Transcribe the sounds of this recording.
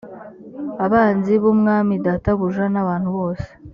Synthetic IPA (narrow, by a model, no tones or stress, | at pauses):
aβaːnziβumŋaːmidataβuʒanaβaːnhuβo̞ːse̥